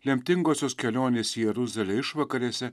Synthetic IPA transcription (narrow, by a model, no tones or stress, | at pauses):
lʲɛmʲt̪ʲɪŋɡoːsʲoːskʲɛlʲoːnʲeːsʲijɛɾʊzɐlʲɛɪʃʋɐkɐɾʲeːsʲɛ